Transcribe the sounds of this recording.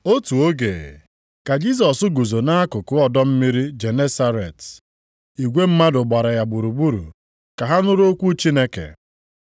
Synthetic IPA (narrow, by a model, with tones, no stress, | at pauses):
o˦tu˨o˦ɡḛ˨ | ka˨d͡ʒi˦s̬ɔ˨sʊ˦ɡu˨zo˨na˦a˦kʊ˨kʊ˦ɔ˨dɔ˦m̩˦mi˦ɾi˦d͡ʒe˨ne˦sa˦ɾḛ˨t | i˨ɡʷe˦m̩˦ma˦dʊ˨ɡ͡ba˨ɾa˨ja˨ɡ͡bu˨ɾu˨ɡ͡bu˦ɾṵ˨ | ka˨ɦa˦nʊ˦ɾo˦kʷu˦t͡ʃi˦ne˦kḛ˨